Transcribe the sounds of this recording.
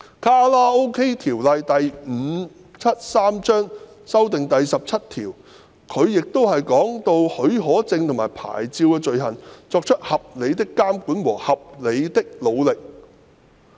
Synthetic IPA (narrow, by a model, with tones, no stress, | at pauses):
kʰaː˥laː˥o˥wkʰe˥jt̪ʰiː˨˩wlɐ˨˧jt̪ɐ˨jm̩˨˧˦ | t͡sʰɐ˥t̚saː˥mt͡ʃœː˥ŋ | sɐ˥wt̪̬ɪ˨ŋt̪ɐ˨jsɐ˨p̚t͡sʰɐ˥t̚t̪ʰiː˨˩w | kʰɵ˨˧ɥjɪ˨k̚t̪o˥whɐ˨jkɔː˨˥ŋt̪o˧whɵ˨˥ɥɦɔː˨˥t͡sɪ˧ŋt̪ʰŋmaː˨˩jpʰa̰ː˨˩jt͡siː˧wkɛː˧t͡ʃɵ˨ɥɦɐ˨˩nt͡sɔː˧k̚t͡ʃʰɵ˥t̚hɐ˨p̚le˨˧jt̪ɪ˥kːaː˥mkuː˨˥nwɔ̰ː˨˩hɐ˨p̚le˨˧jt̪ɪ˥k̚lo˨˧wlɪ˨k̚